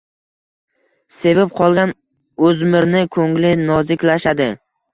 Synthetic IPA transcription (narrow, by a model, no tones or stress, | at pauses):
se̞vɪp̚qʰɒlˠɡʲan | ɵzmɪɾnɪkʰɵŋlɪnɒzɪkʲlaʃad̪ɪ